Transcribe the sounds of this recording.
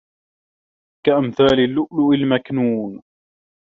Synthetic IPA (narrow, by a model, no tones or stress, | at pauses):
kaʔamθaːlɪlːʊʔlʊʔɪlmaknuːn